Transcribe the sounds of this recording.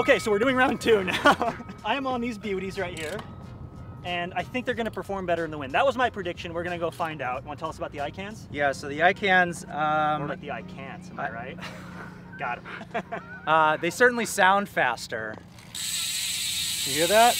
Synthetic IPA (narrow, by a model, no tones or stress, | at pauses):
oʊkeɪsoʊwɨɹdʉɪ̃ŋɹãʊ̃ntʰʉnaʊʊãɪɨ̃mə̃nðizbjʉɾizɹaɪt̚hiɹ | ɨ̃naɪθɪ̃ŋk̚ðə˞ɡʌñɨpʰə˞fɔɹmbɛɾə˞ɨ̃nðəwɪ̃nd̪ðət̚wʌzmaɪpʰɹ̥ɨdɪkʃɨ̃nwɨɹɡʌnɨɡoʊfãɪ̃ndaʊt̚wʌ̃ntʰɛlˠʌsəbaʊt̪̚iaɪkʰæ̃nz̥jæsoʊðiaɪkʰæ̃nz̥ʌlaɪk̚ðiaɪkʰæ̃nz̥ə̃maɹaɪt̚ | ɡ̥ɑɾɨm | ʌðeɪsɜ˞ʔn̩lisãʊ̃nd̥fæ̰stə̰˞ | d̥ɨhiɹðæt̚